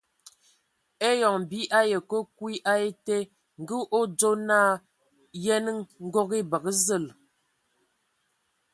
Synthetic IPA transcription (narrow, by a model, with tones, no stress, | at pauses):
e˦jɔ˨ŋ˨bi˦ʔa˦jə˨ko˦kwi˦ʔa˦e˦te˦ | ŋ̩˨ɡə˦ʔo˦d͡zo˦na˦˨ | jɛ˦nə˦ŋŋ̩˦ɡo˦ke˦bə˨kə˦zə˦˨l